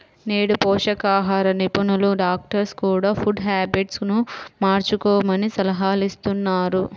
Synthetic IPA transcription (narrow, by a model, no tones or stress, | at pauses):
neːɽupɔːʂɐkaːɦaːɾɐnipunuluɖaːk̚ʈɐɾskuːɽaːpʰuɖɦaːbiʈsnumaːɾt͡ʃukɔːmɐnisɐlɐɦaːlist̪unːaːɾu